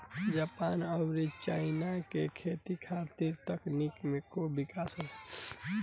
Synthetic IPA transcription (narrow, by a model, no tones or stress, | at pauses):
d͡ʒapaːnəʊɾit͡ʃaɪnakekʰet̪ikʰat̪iɾt̪əknikmekobikasə